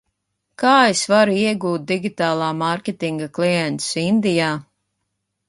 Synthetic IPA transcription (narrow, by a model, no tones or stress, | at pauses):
kaːesvaɾuiɛɡuːt̪̚d̪iɡʲit̪aːlˠaːmaɾkʲet̪iŋɡaklˠiɛnt̪sind̪ijaː